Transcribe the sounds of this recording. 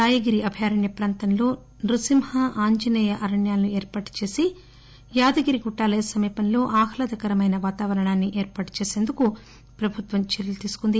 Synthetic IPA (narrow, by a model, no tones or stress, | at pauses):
aːjɐɡiɾiɐbʱjaːɾɐɳjɐpɾaːnt̪ɐnlo̞ː | nɾusimhɐʔaːɲd͡ʒɐnɐːjɐʔɐɾɐɳjaːlnueːɾpaːʈu̥t͡ʃe̞ːsi | jaːd̪ɐɡiɾiɡuʈːaːlɐjɐsɐmiːpɐnlo̞ːʔaːhɐlɐd̪ɐkɐɾɐmɐjnɐʋaːt̪aːʋɐɾɐɳaːnːiʔeːɾpaːʈu̥t͡ʃe̞ːse̞ːnd̪uku | pɾɐbʱut̪ʋɐmt͡ʃɐɾilut̪iːsu̥kund̪i